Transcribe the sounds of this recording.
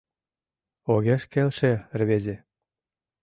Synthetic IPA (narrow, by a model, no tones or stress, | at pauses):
oɣeʃkelʃerβezʲe